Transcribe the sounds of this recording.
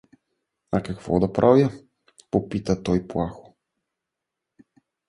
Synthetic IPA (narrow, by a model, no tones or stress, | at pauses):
akakvɔ̰d̪apɾʔavja | popit̪at̪ɔjplaxu̥